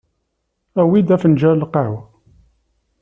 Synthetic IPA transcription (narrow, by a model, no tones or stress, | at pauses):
æwid̪æfənd͡ʒæɾlqaʕw